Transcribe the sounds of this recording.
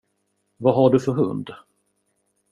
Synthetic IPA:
vaɦaɖɵfœɾɦɵ̰nd̪

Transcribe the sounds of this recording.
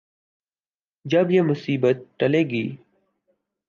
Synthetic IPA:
d͡ʒəbjeːmʊsiːbət̪̚ʈəleːɡiː

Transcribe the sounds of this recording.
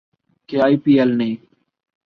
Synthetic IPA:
keaːiːpiːelnəĩː

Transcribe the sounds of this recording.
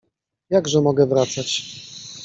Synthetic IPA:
jaɡʐɛmɔɡɛvɾat̪sat͡ɕ

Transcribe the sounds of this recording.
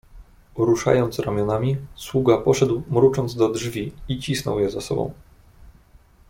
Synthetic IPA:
uɾuʂa̰jɔnt̪sɾamʲjɔnamʲiswuɡapɔʂɛd̪wmɾut͡ʂɔnd̪zd̪ɔdʐvʲiit͡ɕisnɔ̰wjɛzasɔ̰bɔ̰̃w̃

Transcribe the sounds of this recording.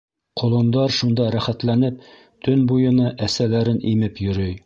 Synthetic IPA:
qʰŏlˠɤ̆nd̪ɑɾʃund̪ɑɾæχæt̪lænɘp̚ | t̪ɵnbujɤ̆nɤʔæsælæɾɘnʔimɘpjɵ̆ɾɵj

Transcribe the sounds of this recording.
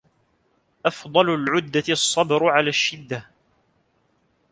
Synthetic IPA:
ʔɑfd̪ˤɑlʊlʕʊd̪ːasˤːɑbɾʕalaːʃːɪd̪ːa

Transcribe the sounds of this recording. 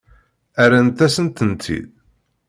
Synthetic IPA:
æɾænt̪ːæsənt̪ənt̪ʰḭð

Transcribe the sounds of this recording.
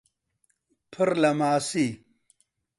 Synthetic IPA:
pʰəɾlɐmaːsi

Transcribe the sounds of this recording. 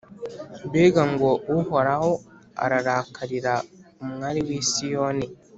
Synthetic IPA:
beɡaŋɡoʔuhɔɾawo | a̰ɾaɾakʰaliɾamŋaɾiwiːsijoni

